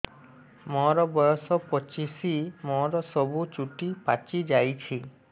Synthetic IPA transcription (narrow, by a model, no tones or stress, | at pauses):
mɔɾɔbɔjɔsɔpɔt͡ʃisimɔɾɔsɔbut͡ʃuʈipat͡ʃid͡ʒajt͡ʃʰi